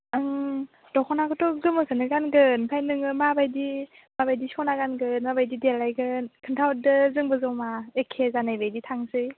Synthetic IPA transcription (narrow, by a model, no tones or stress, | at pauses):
ɯŋ | tɔkʰɔnakʰɯtɔɡɯmɯkʰɯnɯɡanɡɯnpʰajnɯŋɯmabajdi | mabajdisɔnaɡanɡɯnmabajdidelːajɡɯnkʰɯntʰaw̚dɯzɯŋbɯzowmaekʰːezanajbajditʰaŋsɯj